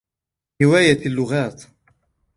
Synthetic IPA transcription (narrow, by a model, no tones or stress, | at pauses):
ɪwaːjaalːʊɣaːt̪